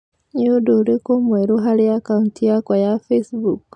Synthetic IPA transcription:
ɲuduɾikumweɾuɦalijakauntijakwajafesbuk

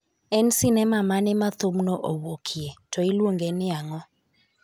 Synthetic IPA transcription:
ɛnsɪnɛmamanɛmat̪omnoʔowokʰietʰɔilwoŋɡenɪaŋɔ

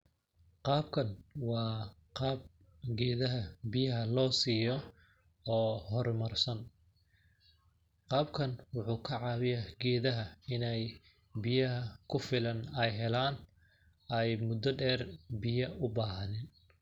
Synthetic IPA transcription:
qɑːb̚kʰɐnwɑː | qɑːb̚ | ɡɛːðɐɦɐbɪjɐɦɐlɔːsiːjɔ | ɔːhɔrmɐrsɐn | qɑːbkʰɐnwʊħuːkʰɐʕɑːβɪjɐɡɛːðɐɦɐɪnɛj | bɪjɐɦɐkʰʊfɪlɐnɛjɦɛlaːn | ɛjmʊd̪ːɐɖɛːrbɪjɐʊbaːɦɐnɪn

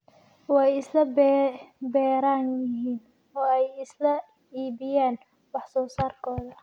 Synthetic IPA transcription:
wɑjɪslɐb | bɛːɾaːnjɪɦiːn | ɔːɛjɪslɐ | iːβɪjaːn | wɑħsɔːsaːrkʰɔːðɐ

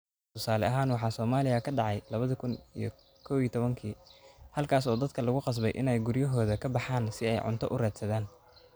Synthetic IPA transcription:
t̪ʰʊsaːlɛ̰ʔɐɦaːnwɑħɑːsɔːmaːlɪjɐkʰɐɖɑʕɑjlɐβɐðɐkʰʊnḭjɞ̰ | kʰɔːwiːt̪ʰɔβɐŋkʰiːhɐlkʰaːsɔːd̪ɐd̪̚kʰɐlɐɣʊqɑs̬bɛjʔɪ̰nɛjɡʊɾjɐɦɔːðɐkʰɐbɑħaːnsɪɛjʕʊ̰nt̪ʰɔ̰ʔʊrɛːd̪sɐðaːn

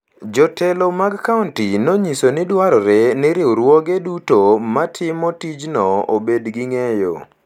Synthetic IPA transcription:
d͡ʒɔtʰɛlomaɡkauntinɔɲisonɪdwaɾɔɾenɪɾɪoɾwɔɡedutomatʰɪmɔtid͡ʒnɔobedɡiŋejo̰

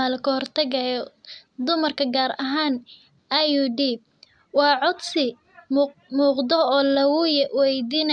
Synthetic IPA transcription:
aːlkʰɐhɔrt̪ʰɐɣɐ | d̪ʊmɐrkʰɐɡaːɾɐɦaːn | ɐjud̪iːb̚ | wɑːʕɔd̪sɪ | muːqd̪ɔɔːlɐwʊjɛwɛjd̪iːnɐ

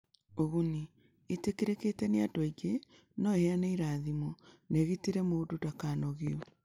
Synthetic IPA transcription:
oɣuniː | tekiɾeketɛneadɔiɡe | nɔeheaneiɾaːðimoneɣitiɾɛmoːdodakaːnɔɣiɔ

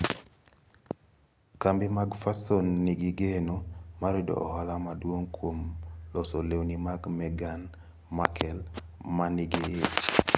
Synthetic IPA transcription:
kambɪmaɡfasonːiɡɪɡenomaɾidɔ̰ʔɔ̰ɦalamadwoŋkwomlɔsolewnimaɡmɛɡan | makʰɛl | manɪɡɪɪt͡ʃ

